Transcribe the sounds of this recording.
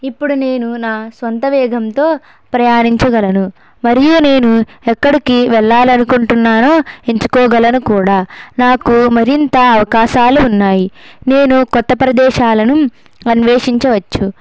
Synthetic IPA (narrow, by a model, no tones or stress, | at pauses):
ipːuɽune̞ːnunaːsʋɐnt̪ɐʋɛːɡʱɐmt̪o̞ː | pɾɐjaːniɲt͡ʃɐɡɐlɐnu | mɐɾijune̞ːnuɛkːɐɽikiʋɛɭːaːlɐnukuɳʈunːaːnoːe̞ɲt͡ʃu̥kɔːɡɐlɐnukuːɽaːnaːkumɐɾint̪ɐɐʋɐkaːʃaːluːnːaːjine̞ːnukɔt̪ːɐpɾɐd̪ɛːʃaːlɐnu | ɐnʋeːʂiɲt͡ʃɐʋɐt͡ʃːu